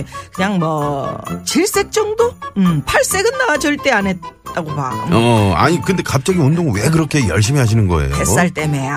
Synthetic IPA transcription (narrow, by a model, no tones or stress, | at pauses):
kɯɲaŋmʌt͡ɕiɭs͈e̞k̚t͡ɕ͈ʌŋdoɯmpʰaɭs͈e̞ɡɯnːaɡad͡ʑʌɭt͈e̞anet̚t͈ːaɡopaʌa̰ɲikɯnde̞kap̚t͡ɕ͈ʌɡiondoŋwek̬ɯɾʌkʰe̞jʌɭɕ̬͈imiɦaɕ̬inɯnɡʌ̰ḛjoḛs͈aɭt͈e̞meja